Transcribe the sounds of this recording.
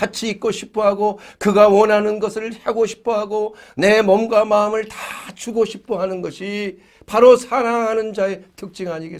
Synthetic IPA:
kat͡ɕʰiːk̚k͈oɕʰi̥pʰoɦaɡokɯɡawʌnɦanɯnɡʌsʰɯɭheɡoɕʰi̥pʰoɦaɡone̞mʌmɡwamaɯmɯɭtḁt͡ɕuɡoɕʰipʰoɦanɯnɡʌɕʰi | paɾosʰaɾaŋɦanɯnd͡ʑae̞tʰɯk̚t͡ɕ͈iŋaɲiɡe

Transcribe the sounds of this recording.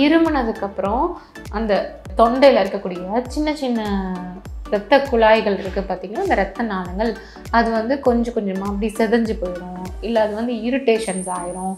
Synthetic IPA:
ɪɾɯmbɯnɐðɯkːɐpːɯɾɔ̃ | ɐnd̪ɐ | t̪ɔɳɖɐjlɪɾɯkːɐkːuːɽɪjɐt͡ʃɪnːɐt͡ʃɪnːɐ | ɾɐt̪ːɐkːʊɭaːjɣɐɭɪɾɯkːɯpaːɾt̪ĩŋɡɐɭaːɐnd̪ɐɾɐt̪ːɐnaːðɐŋɡɐɭ | ɐðɯʋɐnd̪ɯkɔɲd͡ʒɔ̃kɔɲd͡ʒɐmaːɐpːɐɽisɛðɐɲd͡ʒɯpoːjɪɾõːɪlːɐɐðɯʋɐnd̪ɯɪɾɯʈːeːʂɐnsaːjɪɾʊ̃

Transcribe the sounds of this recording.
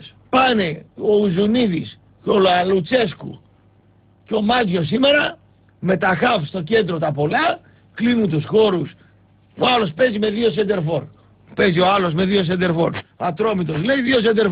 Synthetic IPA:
s | pɐne̞o̞uzuniðis | co̞loɐlut͡se̞skṵ | ceo̞mɐtjo̞s̬ime̞ɾɐ | me̞t̪ɐxɐfst̪oce̞nd̪ɾo̞t̪ɐpo̞lɐ | klinunt̪usxo̞ɾus | oɐlo̞spe̞zime̞ðio̞send̪e̞ɾfo̞ɾ | pe̞zio̞ɐlo̞sme̞ðio̞s̬end̪eɾfo̞ɾɐt̪ɾo̞mit̪o̞sle̞iðio̞s̬end̪e

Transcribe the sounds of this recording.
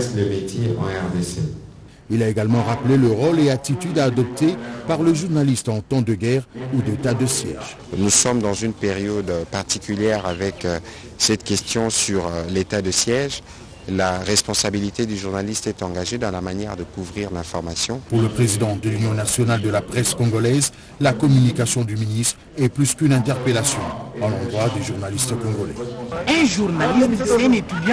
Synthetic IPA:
sləmet̪jeɑ̰̃ɛʁd̪ese | ilaeɡalmɑ̃ʁapleləʁoleat̪it̪yd̪aːd̪ɔp̚t̪epaʁləʒuʁnalist̪ɑ̃t̪ɑ̃d̪əɡɛʁud̪et̪ad̪əsjɛ̰ʒ | nusɔmd̪ɑ̃zynpeʁjɔd̪paʁt̪ikʲyljɛʁavɛk | sɛt̪kʲɛst̪jɔ̃syʁlet̪ad̪əsjɛʒ | laʁɛspɔ̃sabilit̪ed̪yʒuʁnalist̪ɛt̪ɑ̃ɡaʒed̪ɑ̃lamanjɛʁd̪əkuvʁiʁlɛ̃fɔʁmasjɔ̃puʁləpχezid̪ɑ̃d̪əlynjɔ̃nasjɔnald̪əlapχɛskɔ̃ɡɔlɛz | lakɔmynikasjɔ̃d̪yminist̪χ | ɛplyskynɛ̃t̪ɛʁpelasjɔ̃d̪ɑ̃lɑ̃d̪ʁwad̪eʒuʁnalist̪kɔ̃ɡɔlɛ̰ɛ̃ʒuʁnalismɛ̃net̪yd̪j̃

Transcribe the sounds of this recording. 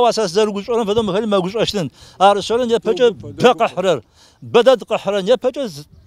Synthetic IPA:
waːsaːszɐɾɨɡʷʊɕʼɐɾɐmfɐdʼoːmɨxɐliːmɐɡʷʊɕʼɐʃtʰɨnaːɾɨɕɐɾɐnjɛpʰɐt͡ʃʼɐpʰɐqəħrɐr | bɐdadqəħrɐnjɛpʰɐt͡ʃʼɐz

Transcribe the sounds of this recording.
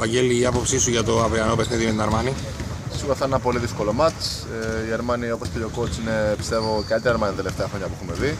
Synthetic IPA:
pɐɲɟeliːɐpo̞psisuʝɐt̪oɐpiɐnopexniðimet̪inɐɾmɐni | ssiɣuɾɐft̪ɐnenɐpo̞liðisko̞lo̞mɐt͡ʃ | ieɾmɐnioposceʎokot͡sine̞pi̥st̪e̞voceɐt̪ieɾmɐnit̪t̪eleft̪eɐxɾo̞ɲɐpuxumeði

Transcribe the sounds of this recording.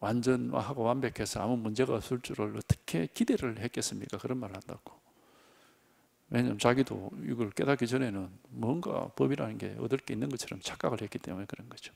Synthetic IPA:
wand͡ʑʌnwa̰ɦaɡowambe̞kʰe̞sʰʌamumund͡ʑe̞ɣasuɭt͡ɕ͈uɾɯɭʌt͈ʰɯ̥kʰe̞kide̞ɾɯɭhek͈es͈ɯmɲik͈akɯɾʌnmaɾɯɭhandaɡ̥o̥ | wʔeɲamt͡ɕaɡido̰ḭɡʌɭk͈e̞dak͈id͡ʑʌne̞nɯnmʌŋɡa̰pʌbiɾanɯnɡe̞̰ʌ̰dɯɭk͈einːɯnɡʌt͡ɕʰʌɾʌmt͡ɕʰak͈aɡɯɭhek͈i̥t͈e̞̰mune̞kɯɾʌnɡʌd͡ʑo̥

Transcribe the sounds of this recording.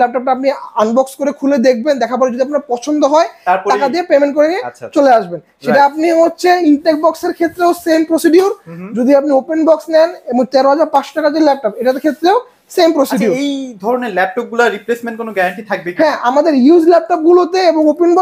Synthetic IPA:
lɛp̚ʈɔp̚ʈaapnianbɔkskoɾekʰuled̪ek̚ʰbend̪ɛkʰap̬ɔɾed͡ʑod̪iapnaɾpɔt͡ɕʰond̪oɦɔeɾakad̪iepemeɳʈ̚koɾeniet͡ɕoleaʃben | ʃeʈaapniɦotːɕʰeiɳʈek̚bɔkseɾkʰet̪ːɾeosempɾosiɖiuɾd͡ʑod̪ʱiapniopenbɔksnɛneboŋt̪ɛɾoɦad͡ʑaɾpãʃo̥ʈakad͡ʑelɛp̚ʈɔpeʈat̪ekʰet̪ːɾeo | sempɾosiɖiued̪ʱɔɾoneɾlɛp̚ʈɔp̚ɡulaɾiplesmẽɳʈ̚konoɡɛɾaɳʈit̪ʰak̚beɦɛ̃amad̪eɾjud͡ʑlɛp̚ʈɔp̚ɡulot̪eeboŋopenbɔ

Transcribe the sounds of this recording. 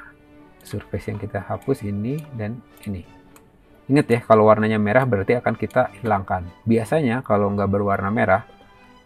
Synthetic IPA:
surfɛsjaŋkit̪ahapʊsinidan | ini | iŋət̪jahkalowarnaɲameɾahbəɾart̪iakankit̪ahilaŋkanbiasaɲakaloŋɡabərwarnameɾah

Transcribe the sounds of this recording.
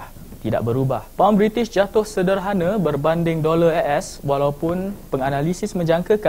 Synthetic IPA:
t̪ida̰ʔbəɾubahpambɾit̪ɪsd͡ʒat̪ʊhsədərɦanãbərbandɪŋdolaɛʔɛswalawpʊnpəŋanãlisɪsmə̃ɲd͡ʒaŋkəka

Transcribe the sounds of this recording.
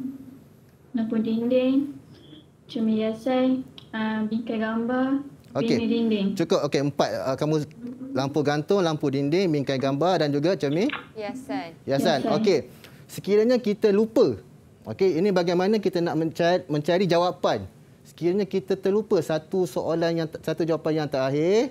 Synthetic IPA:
lampudindɪŋ | t͡ʃəmijasanəbiŋkajɡambaroikeidindɪŋt͡ʃukʊp̚okeəmpat̪̚əkamũlampuɡant̪ʊŋlampudindɪŋbiŋkajɡambardand͡ʒuɡat͡ʃəmiasajasansoke | səkiɾaɲãkit̪əlupə | ʔo̰keinĩbaɡajmanãkit̪ənaʔməamə̃ɲt͡ʃaɾid͡ʒawapan | sə̥kiɾaɲãkit̪ət̪əlupəsat̪usoʔolanjaŋsat̪ud͡ʒawapanjaŋt̪aaɦɪr

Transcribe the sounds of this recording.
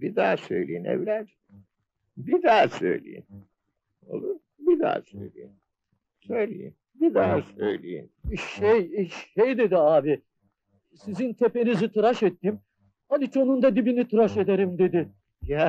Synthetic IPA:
bid̪aːsøjlʲejinɛ̰vlʲæɾ | bid̪aːsø̞jlʲḛjḭm | o̰lˠu | bid̪a̰ːsøjlʲḛjin | søjlʲḛjḭm | bid̪aːsøjlʲḛjḭnʃejejd̪e̞d̪iaːbɪ | sizint̪ʰe̞pe̞nizit̪ʰɯɾaʃɛt̪ːim | ad̪it͡ʃʰo̞nund̪ad̪ibinit̪ʰɯɾaʃe̞d̪eɾimd̪e̞d̪ɪ | jæ

